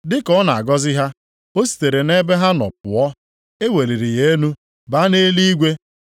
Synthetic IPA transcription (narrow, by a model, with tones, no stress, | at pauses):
dɪ˦kɔ˦na˨a̰˨ɡɔ˦zɪ˦ɦa˦ | o˦si̥˨te˨ɾe˨ne˦be˦ɦa˦nɔ̰˨pʊ˨ɔ˦ | e˦we˨li˨ɾi˨je˦nu˦ | ba˦ne˦li˦i˦ɡʷe˦